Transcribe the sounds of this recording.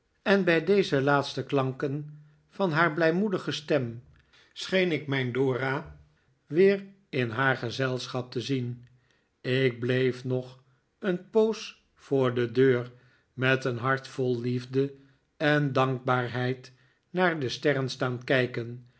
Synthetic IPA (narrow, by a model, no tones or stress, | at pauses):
ɛnbɛjdejzəlaːtstəklɑŋkən | vɑnɦaːɹblɛjmudəχəstɛm | sχejnɪkmɛjndʊːra | ʋɪːr | ɪnɦaːɹχəzɛlˠsχɑp̚təzin | ɪk̚blejfnɔχ | ənpows | fʊːɹdədøːɹ | mɛtənɦɑɹtfɔlˠlivdə | ɛndɑŋɡ̚baːɹɦɛjt | naːɹdəstɛrənstaːnkɛjkən